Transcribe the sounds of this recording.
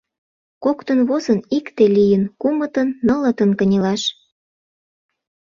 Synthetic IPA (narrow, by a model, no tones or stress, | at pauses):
kokt̪ənβozənikt̪elijənkumət̪ənːələt̪ənkə̆nʲelɑʃ